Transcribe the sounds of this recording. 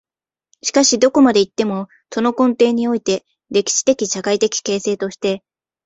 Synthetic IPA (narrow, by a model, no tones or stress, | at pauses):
ɕi̥kaɕid̪o̞ko̞mad̪e̞it̪ːe̞mo̞ | so̞no̞kõ̞nt̪e̞ːɲ̟io̞it̪e̞ | ɾe̞kʲi̥ɕi̥t̪e̞kʲiɕakait̪e̞kʲi̥ke̞ːse̞ːt̪o̞ɕi̥t̪e̞